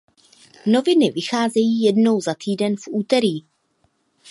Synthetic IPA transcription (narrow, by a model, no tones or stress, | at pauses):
no̞vɪnɪvɪxaːzɛjiːjɛdno̞wzat̪iːdɛnfʔuːt̪ɛɾiː